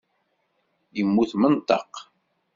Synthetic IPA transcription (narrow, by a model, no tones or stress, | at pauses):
jəmːuθmənt̪ɑq